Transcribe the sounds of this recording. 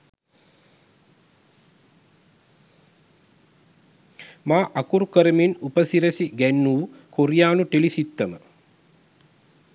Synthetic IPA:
maːʔɐkuɾukəɾəminupəsiɾɐsiɡænːuːkoɾijaːnuʈelisit̪ːɐmə

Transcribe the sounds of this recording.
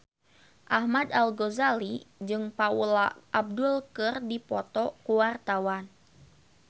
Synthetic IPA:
ʔahmad̪alɡozalid͡ʒɨŋpaulaʔab̚dulkɨrdipɔt̪ɔkuwart̪awan

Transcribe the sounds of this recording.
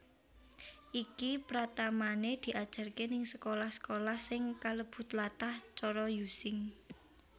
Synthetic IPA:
ʔikipɾat̪amaned̪̥i̤ʔad̥ʒ̥a̤rkenɪŋsəkolahsə̥kolahsɪŋkaləb̥ṳt̪lat̪aht͡ʃɔɾɔjusɪŋ

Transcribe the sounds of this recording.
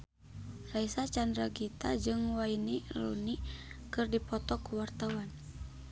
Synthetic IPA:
raisat͡ʃandɾaɡit̪ad͡ʒɨŋwainirṵnikɨrdipɔt̪ɔkuwart̪awan

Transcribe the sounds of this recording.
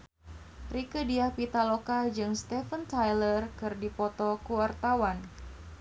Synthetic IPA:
rikədiapit̪alokad͡ʒɨŋst̪ɛfənt̪ajlərkɨrdipɔt̪ɔkuwart̪awan

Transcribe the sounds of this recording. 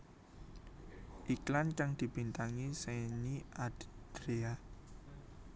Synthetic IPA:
ʔiklankaŋd̪̥i̤b̥i̤nt̪aŋiseniʔad̥d̪̥ɾea

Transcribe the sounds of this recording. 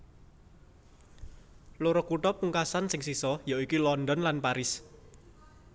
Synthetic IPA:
loɾɔkuʈɔpuŋkasansɪŋsisɔjɔikilɔndɔnlanpaɾɪs

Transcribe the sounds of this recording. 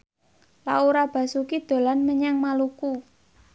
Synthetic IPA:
lauɾab̥ä̤sukid̪̥o̤lanməɲaŋmaluku

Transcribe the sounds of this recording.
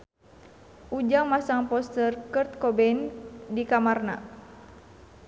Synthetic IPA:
ʔud͡ʒaŋmasaŋpɔst̪ərkərt̪̚kɔbɛndikamarna̰

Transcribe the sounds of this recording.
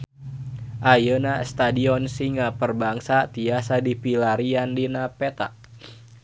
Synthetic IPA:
ʔajənast̪adiɔnsiŋapərbaŋsat̪iasadipilaɾiandinapet̪a̰ʔ

